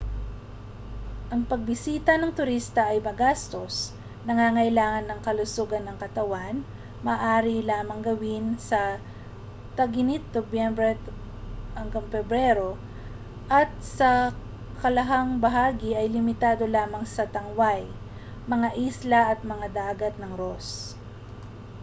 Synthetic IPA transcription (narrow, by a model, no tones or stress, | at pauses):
ʔɐŋpɐɡ̚bɪsiːt̪ɐnɐŋt̪ʊɾist̪ɐʔɐjmɐɡast̪o̞s | nɐŋaŋɐɪlaːŋɐnːɐŋkɐlʊsuːɡɐnːɐŋkɐt̪ɐwan | mɐːʔaːɾilaːmɐŋɡɐwɪnsɐ | t̪ɐɡɪnɪt̪̚d̪objɛmbɾɛ | hɐŋɡamfɛbɾɛɾo | ʔɐt̪̚sɐ | kɐlɐɦaŋbɐɦaːɡɪʔɐjlɪmɪt̪aːd̪o̞laːmɐŋsɐt̪ɐŋwaj | mɐŋaʔislɐʔɐt̪̚mɐŋad̪aːɡɐt̪̚nɐŋɾos